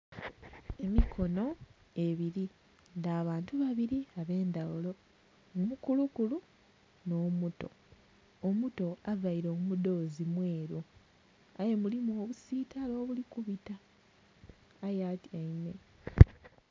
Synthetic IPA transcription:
e̞mikʰo̞no̞ | e̞βiɾi | ndaːβaːntuβaβiɾiaβe̞ːndawulo̞ | umukulukulu | no̞ːmuto̞̰ | omuto̞avaiɾo̞ːmumudo̞ːzimwe̞ːɾu | aje̞mulimoːβusiːtalo̞ːβulikuβita | jatiaine̞

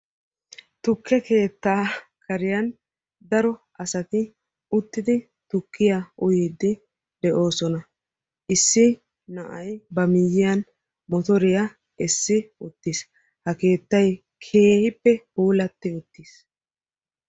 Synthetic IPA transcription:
t̪ʊkʰːɛke̞ːt̪ːaːkɐɾɪjɐn | d̪ɐɾɔʔɐsɐt̪ɪ | ʊt̪ːɪd̪ɪ | t̪ʊkʰːɪjaʔʊjɪːd̪ːɪ | d̪ɛʔo̞ːsɔnɐ | ʔɪsːɪ | nɐʔɐjbɐmɪjːɪjɐn | mɔt̪ɔɾɪjɐ | ɛsːɪʊt̪ːɪs | hɐke̞ːt̪ːɐj | kʰeːhɪpːɛhuːlɐt̪ːɪʊt̪ːis

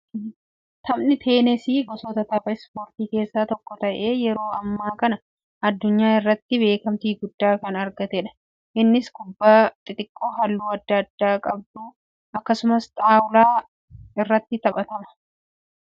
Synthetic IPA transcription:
t̪ʰɐmnɪt̪ʰe̞ːnɛsiːɡɔsɔt̪ɐt̪ɐfɐɪspo̞ːɾt̪iːke̞ːsːaːt̪ɔkːɔt̪ɐʔe̞ːjɛɾo̞ːɐmːaːkɐnɐ | ɐd̪ːʊɲːaːɪrːɐt̪ːɪbe̞ːkɐmt̪iːɡʊd̪ːaːkɐnɐɾɡɐt̪ɛᶑɐ̥ | ʔɪnːɪskʊbːaːt̪ʼɪt̪ʼɪkʼːoːɦɐlːuːɐd̪ːɐːd̪ːaːkʼɐb̚d̪u | ɐkːɐsʊmɐst̪ʼaːwlaː | ɪrːɐt̪ːɪt̪ɐɓɐt̪ɐmɐ̥

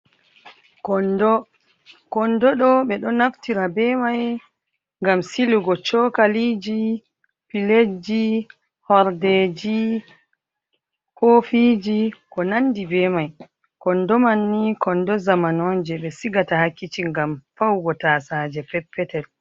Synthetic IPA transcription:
kɔndɔɗɔɓɛɗɔnaftiɾabɛmaj | ŋɡamsiluɡɔt͡ʃɔkalid͡ʒi | piled͡ʒi | hɔɾded͡ʒi | kofid͡ʒikɔnandibɛmaj | kɔndɔmanːikɔndɔzamanɔd͡ʒɛɓɛsiɡatahakːit͡ʃiŋɡamfawɡɔtasaːd͡ʒɛfɛpːɛtɛl

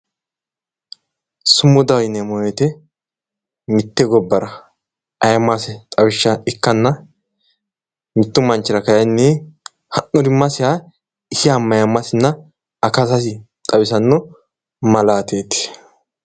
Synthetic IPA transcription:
sʊmːʊd̪ɐwjnɛmɔjɛt̪ɛ | mɪt̪ːɛɡɔbːɐɾɐ | ʔɐjɐmːɐsɛt̪ʼɐwɪʃːɐɪkːɐnːɐ | mɪt̪ːʊmɐnt͡ʃːɪɾɐkɐjɐnːiː | hɐnːɔd̪ɪmːɐsɪja | ɪsɪɐmːɐjɐmːɐsɪnːɐ | ɐkɐsɐsɪ | t̪ʼɐwɪsɐnːɔ | mɐlaːt̪eːt̪ɪ̥

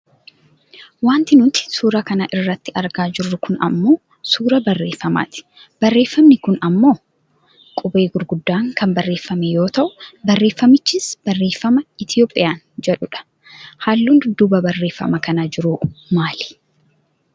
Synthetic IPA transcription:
waːnt̪ɪnʊt̪ɪ̥suːɾakɐnɐʔɪrːɐt̪ːɪɐɾɡaːd͡ʒɪrːʊkʊnɐ̰mːo̞ː | suːɾɐbɐrːe̞ːfːɐma̰ːt̪ɪ̥b̥ɐrːe̞ːfːɐmnɪkʊnɐmːo̞ː | kʼʊbeːɡʊɾɡʊd̪ːaːŋkɐmbɐrːe̞ːfːɐmɛjo̞ːt̪ɐʔʊbɐrːeːfːɐmɪt͡ʃːiːsb̥ɐrːeːfːɐmɐɪt̪ɪjo̞ːpʼːɪjaːn | d͡ʒɛᶑʊᶑɐ̥ | haːlːund̪d̪ʊbɐbɐrːe̞ːfːɐ̰mɐkɐnɐd͡ʒɪɾumaːlɪ̥

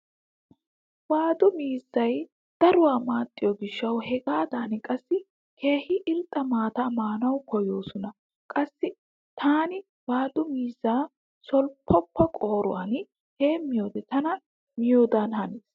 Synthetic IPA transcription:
waːd̪ʊmiːzːɐj | d̪̥ɐɾʊwaːmaːt̪ʼːɪjɔɡɪʃːɐwhɛɡaːd̪aːnkʼɐsːɪ | kʰe̞ːhɪʔɪlt̪ʼːɐmaːt̪amaːnɐwkɔjo̞ːsɔnɐ | kʼɐsːɪ | t̪ʰaːnɪ | waːd̪ʊmiːzːaː | sɔlpʰːɔpʰːɔkʼo̞ːɾʊ̰wan | he̞ːmːɪjo̞ːd̪ɛt̪ɐnɐ | mɪjo̞ːd̪aːnhɐneːs

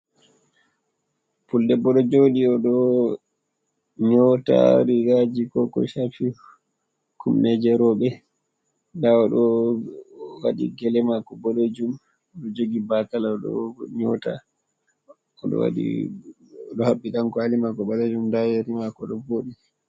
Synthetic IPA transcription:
puldɛbɔɗɔd͡ʒoɗiɔɗɔ | ɲɔta̰ɾiɡad͡ʒikɔkɔ̰ʃafi | kumnɛd͡ʒɛɾɔɓɛ | daɔɗɔ | waɗḭɡɛlɛmakɔbɔled͡ʒum | ɔɗɔd͡ʒoɡibakalaɔɗɔ̰ɲɔta̰ | ɔɗɔ̰wa̰ɗḭ | ɗɔhaɓːiɗankɔalimakɔbaled͡ʒumdajɛɾimakɔɗɔboːɗi

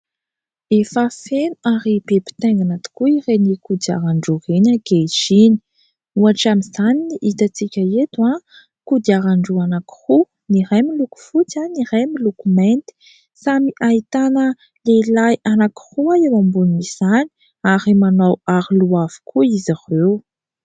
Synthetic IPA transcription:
efafenuaɾibepi̥t̪eŋɡanat̪u̥kuirenikud̪ia̰ɾaɳɖ͡ʐurenaɡeʃini̥ | uaʈ͡ʂamizaniniʔit̪at͡sikʲəet̪ua | kud̪iaɾaɳɖ͡ʐuanaki̥hu | niɾajmiluku̥fut͡saniɾajmilukument̪i̥ | samiʔait̪anə | lelajanaki̥huaewambuniniz̥ani̥ | aɾimanawaɾiluavu̥kʰuizaʁew

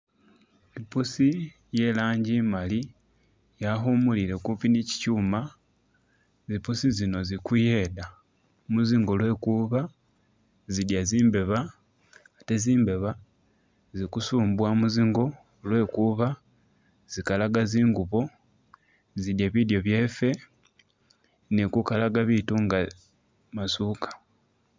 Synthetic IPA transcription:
ipusi | jelaːɲɟimali | jaxumulile̞kupinici̥cuːma | zipusizino̞zikujeda | muziŋɡo̞lwe̞kuβa | zidjaziːmbe̞βaː | te̞ziːmbe̞βa | zikusuːmbwamuziŋɡo̞ | lwe̞kuβa | z̥ikalaɡaziːŋɡuβo̞ | zidjaβidjo̞βje̞fe̞ | nikukalaɡaβituŋɡa | masukḁ

